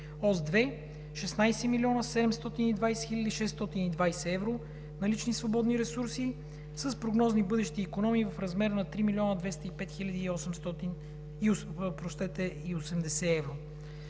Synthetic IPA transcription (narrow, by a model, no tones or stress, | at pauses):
ɔzd̪vɛ | ʃɛsnajsɛmilʲiɔnəsɛd̪ɛmst̪ɔt̪inid̪vajsɛ̥xilʲɐd̪iʃɛsːt̪ɔt̪inid̪vajsɛɛvɾo | nɐlit͡ʃnisvobɔd̪niɾɛsuɾsi | səspɾoɡnɔznibɤd̪ɛʃt̪iːkonɔmiːvɐfɾɐzmɛɾnɐt̪ɾimilʲiɔnəd̪vɛst̪əipɛt̪xilʲəd̪iːɔsɛmst̪ɔt̪in | iospɾoʃt̪ɛt̪ɛiosɛmd̪ɛsɛɛvɾo